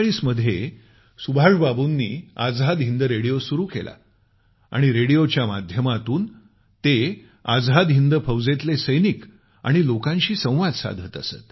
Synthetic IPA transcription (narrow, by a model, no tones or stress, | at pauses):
ɭiːsməd̪ʱje | subʱaʂbabunːiːad͡zɦad̪ɦind̪əɾeɽijosuɾuːkḛlʔa̰ | a̰ɽ̃iɾeɽijot͡ɕjama̰d̪ʱjəmat̪uːn | t̪e | ad͡zɦad̪ɦind̪əpʰəʋd͡zet̪lesəjnik | a̰ɽ̃ilokãɲɕiːsə̃w̃ʋad̪sa̰d̪ʱət̪ə̰sə̰t̪